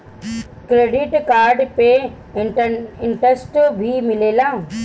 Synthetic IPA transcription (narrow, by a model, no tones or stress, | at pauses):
kɾeːɖɪʈkaːɾɖpe | ɪ̃ɳʈəsʈbʱimɪleːlãː